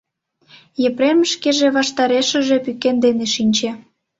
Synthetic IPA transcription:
jĕpɾemʃkeʒeβɑʃt̪ɑɾeʃə̆ʒepykend̪eneʃinʲt͡ɕe

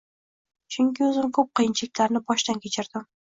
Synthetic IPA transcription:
t͡ʃʰʊŋkʲɪɵzɪmkʰɵp̚qʰɨjɪnt͡ʃʰɪlɪkʲlaɾnɪbɒʃt̪ankʲʰet͡ʃʰɪɾd̪ɪm

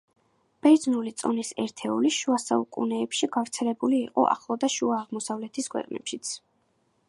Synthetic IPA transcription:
b̥ɛdznulit̪sʼɔnisɛɾt̪ʰɛuliʃuasaukʼunɛːpʃiɡavɾt̪sʰɛlɛbuliːqʼɔ̰ʔa̰χlˠɔd̪aʃuaːʁmɔsavlɛt̪ʰiskʰwɛ̰qʼnɛ̰pʃit̪sʰ

